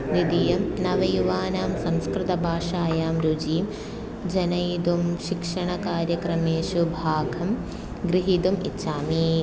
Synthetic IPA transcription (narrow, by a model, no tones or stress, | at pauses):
nid̪ijɐmnɐʋɐjuʋaːnaːmsɐ̃mskɾɪt̪ɐbʱaːʃaːjaːmɾud͡ʒiːm | d͡ʒɐnɐjd̪umʃikʂɐɳɐkaːɾjɐkɾɐmeːʃubʱaːɡʱɐm | ɡɾiɦid̪umitːʃaːmi